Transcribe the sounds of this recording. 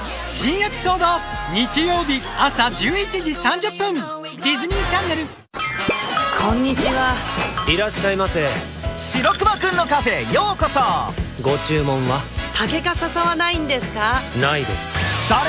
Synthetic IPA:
ɕĩɰ̃jakɯ̟̥so̞ːd̪aɲ̟it͡ɕijo̞ːbʲiasad͡ʑɨːit͡ɕid͡ʑisãɲ̟d͡ʑɨpːɯ̃n | d̪ʲizɨɲ̟ʲĩːt͡ɕãnːe̞ɾɯ̟ | kʰõ̞ɲːit͡ɕiβaiɾaɕːaimasẽ | ɕiɾo̞kɯ̟bakɯ̟̃nːo̞kaɸe̞jo̞ːkosaɡo̞t͡ɕɨːmõ̞ɰ̃βat̪ʰake̞kasasaβanaĩnd̪e̞sɨ̥kanaid̪e̞̰sɨ̥d̪̥aɾ

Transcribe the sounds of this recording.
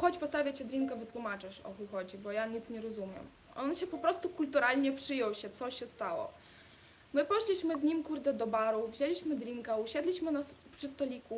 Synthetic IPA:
xɔt͡ɕpɔst̪avʲjat͡ɕɛd̪ɾʲiŋkavɘt̪wumat͡ʂɘʂɔ̰xuxɔd͡ʑibɔjaɲit̪sɲɛɾɔzumʲjɛ̰m | ʔɔnɕɛpɔpɾɔst̪ukult̪uɾalʲɲɛpʂɘjɔwɕɛt̪sɔɕɛst̪awɔ̰ | mɘpɔʂlʲiɕmɘzɲimkuɾd̪ɛd̪ɔbaɾuvʑelʲiɕmɘd̪ɾʲiŋkauɕɛd̪lʲiɕmɘnapʂɨst̪ɔlʲiku

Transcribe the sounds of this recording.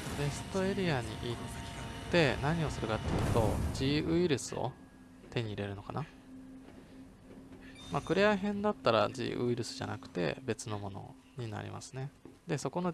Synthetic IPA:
be̞sɨ̥t̪o̞e̞ɾʲiaɲ̟ḭʔit̪ːe̞naɲ̟io̞sɨɾɯ̟kat̪ːejɯ̟t̪o̞ʑiɯ̟iɾɯ̟sɨo̞̰ | t̪e̞ɲ̟iːɾe̞ɾɯno̞ka̰na | maːkɯ̟ɾeaɦẽ̞nd̪at̪ːaɾa̰ʑḭːʔɯ̟iɾɯ̟sɨ̥ʑa̰nakɯ̟̥t̪e̞̰be̞t͡sɨno̞mo̞no̞̰ | ɲ̟ina̰ɾʲḭma̰sɨ̥ne̞d̪e̞so̞ko̞no̞

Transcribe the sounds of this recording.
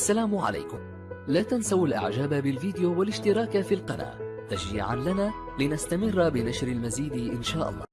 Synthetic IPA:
ʔʔasːalaːmʕa̰la̰jkʊm | laːt̪ansawalʔa̰ʕd͡ʒaːbabɪlviːd̪ɪjaːwalɪʃt̪ɪɾˤɑːkafiːlqɑna̰ːt̪ad͡ʒḭːʕa̰nlanaː | lɪnast̪amɪrːbɪnaʃɾalmaziːd̪ʔɪnʃaːʔɑ̰lˤːɑ̰ː

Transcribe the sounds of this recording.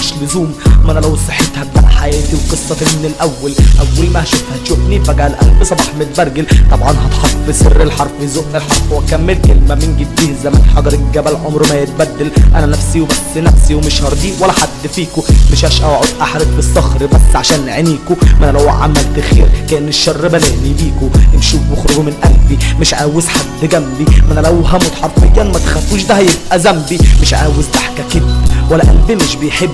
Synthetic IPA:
mɪʃlʊzuːmʔænælæwsˤɑħːit̪hæb̪ːa̰ʔħajæːt̪iwqɨsˤːɑfɪmɪnɪlʔæwːælʔæwːælmæhʃofhæt̪ʃofnifæɡæːlʔæ̰lfsˤɑbɑːħmɪt̪bæɾˤɡɪlt̪ˤɑbʕɑnɦɑt̪ħɑtˤːbɪsɪ̰rːɪlħɑɾˤfwɪzoʔʔelħɑɾˤfwæt̪̚kæmːɪlkḛlmæmɪnɡɪd̪̚biːhzæmæ̰nħɑɡɑɾˤɪɡæbælʕomɾmæjet̪̚bæd̪ːælʔæ̰nænæfsiwebæsːnæfsiwmɪʃhɑɾˤd̪iwælːæħad̪ːfiːkʊmɪʃhæːʃʔæːʕod̪ʔaħɾefbesˤːɑxɾbæsːʕaʃæːnʕeniːkomænælæwʕa̰mælt̪exḭːɾkæʔɪnːeʃːɑrˤːbæleʕnibiːkoenʃuːfmoxɾoɡmɪnʔælfimɪʃʕaːwezħad̪ːɡæmbimænælæwɦæmot̪ħɑɾˤt̪mækæːnmæt̪xæfːuːʃd̪æhæjeb̚ʔæzæmbimeʃʕa̰ːwezʔaħkækɪd̪wælːæʔæ̰nd̪emʃbejħebː

